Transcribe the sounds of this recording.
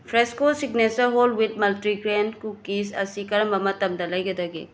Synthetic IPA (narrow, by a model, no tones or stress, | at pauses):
pʰɾeskosiɡnesɐɦolwit̚mɐltɾiɡɾenkukisɐ̰sikɐɾɐmbɐmɐtɐmdɐlɐjɡɐdɐɡḛ